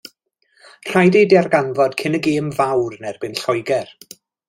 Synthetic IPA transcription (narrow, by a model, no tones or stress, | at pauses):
r̥ajdedjarɡanvɔd̥kʰɪnəɡeːmvawrnɛrbɪnɬɔjɡɛr